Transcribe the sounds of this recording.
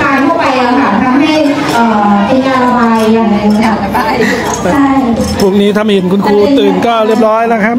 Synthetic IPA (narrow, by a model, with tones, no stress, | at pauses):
kʰaː˧jt̪ʰu˥˩əpa˧jlɛː˦˥wkʰa˧˩na˧k̪ʰa˦˥ha˥˩j | ʔɤː˨˩ʔa˧kaː˧nɾa˧baː˧jjaː˨˩ŋːna˧˦˧a˦˧˩a˥˩ | t͡ɕʰa˥˩j | pʰu˥˩k̚niː˦˥t̪ʰa˧mhi˨˩ə˦nkʰu˧nkʰuː˧t̪ɯː˨˩nkɔː˥˩ɾi˥˩əp̚ɾɔː˦˥jla˦˥kʰa˦˥p̚